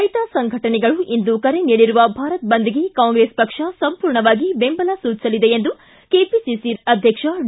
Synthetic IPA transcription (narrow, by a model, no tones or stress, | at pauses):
ɐjʈ̪aːsɐŋɡʱɐʈɐnɛɡɐɭuʔind̪ukɐɾe̞niːɽiɾuʋɐbʱaːɾɐt̪̚bɐnd̪iɡe̞kaːwŋɡɾespɐkʂɐsɐmpuːɾɳɐʋaːɡibembɐlɐsuːt͡ʃi̥sɐlid̪e̞end̪u | keːpisisiɾɐd̪ʱjɐkʂɐ